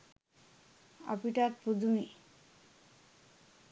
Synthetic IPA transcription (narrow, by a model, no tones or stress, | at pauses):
a̰piʈaɾpud̪ʱumi